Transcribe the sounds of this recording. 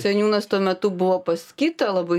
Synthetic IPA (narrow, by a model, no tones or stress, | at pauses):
sʲɛnʲuːnɐst̪uɔmʲɛt̪ʊbʊʋoːpɐskʲit̪ɐlˠɐbɐɪ